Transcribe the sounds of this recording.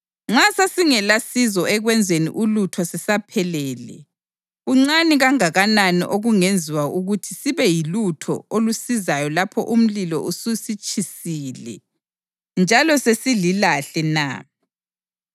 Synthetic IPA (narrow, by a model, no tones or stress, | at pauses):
ŋ͡ǁasasiŋɛlasizɔɛɣwɛnd͡zʱenḭʔulutʰɔsɛsapʰɛlɛːlɛ̰ | ɣuŋ͡ǀaniɣaŋaɣananḭʔoɣuŋend͡zʱiwauɣutʰisiβɛjilutʰɔ̰olusizajɔlapʰɔ̰ʔum̩lilɔ̰ʔususit͡ʃʼʰisiːlɛ̰ | nd͡ʒʱalɔsesililaɬɛna̰